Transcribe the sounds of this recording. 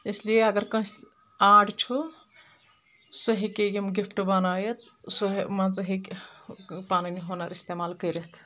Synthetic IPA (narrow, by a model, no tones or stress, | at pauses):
eslieɐɡəɾkə̃s | aɖt͡ʃʰu | səɦikejimɡipʰʈbənajet̪ | səɦmãt͡səɦik | paniniɦonaɾist̪emalkəɾet̪ʰ